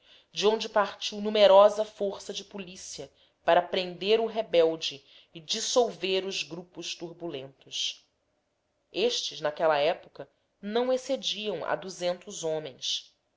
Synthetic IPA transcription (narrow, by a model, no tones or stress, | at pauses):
d͡ʒɪõnd͡ʒɪpaɾt͡ʃiwnumeɾɔzɐfoɾsɐd͡ʒɪpulisiɐ | paɾɐpɾẽnd̪eɾʊɦebɛwd͡ʒɪː | d͡ʒisowveɾʊzɡɾupʊʃt̪uɾbulẽnt̪ʊs | eʃt͡ʃɪznakɛlɐɛpukɐ | nɐ̃w̃esed͡ʒiɐ̃w̃ɐ̰d̪uzẽnt̪ʊzõmẽj̃s